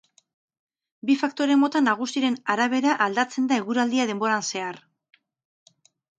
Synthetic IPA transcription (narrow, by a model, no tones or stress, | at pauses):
bifakt̪o̞ɾe̞mo̞t̪anːaɣ̞usiɾe̞naɾaβ̞e̞ɾaʔald̪at͡se̞nd̪aeɣuɾald̪iað̞e̞mbo̞ɾanse̞ar